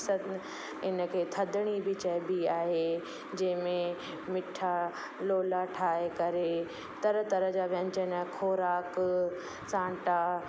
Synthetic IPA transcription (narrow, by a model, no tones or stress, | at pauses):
sət̪ | ɪnə̆kʰeːt̪ʰɐd̪ɽ̃ibɪt͡ɕɐjbiaːɦe | d͡ʑɐ̃ɦɪ̃mẽ | mɪʈʰa | loːlaʈʰaːɦekɐɾe | t̪ɐɾət̪ɐɾəd͡ʑaːʋɐ̃ɲt͡ɕənkʰoːɾaːk | sãːɳʈa